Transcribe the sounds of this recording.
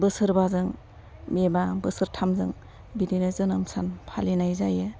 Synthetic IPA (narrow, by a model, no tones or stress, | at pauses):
bɯsɯɾbazɯŋ | mebabɯsɯɾtʰamzɯŋ | bidinɯzɯnɯmsanpʰalinajzajɯ